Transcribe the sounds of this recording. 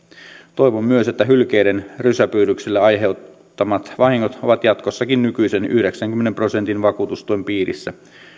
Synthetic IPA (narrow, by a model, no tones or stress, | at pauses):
t̪ojʋomːyøset̪ːæɦylk̟ejde̞nrysæpyːɾykselːeɑjɦew | t̪ːɑmɑt̪ʋɑhiŋːot̪o̞ʋɑt̪jɑt̪kosːɑkinnykyjseny̰hde̞ksæŋk̟ymːenempro̞se̞nt̪inʋɑkuːt̪ust̪ujmpiːɾḭsːæ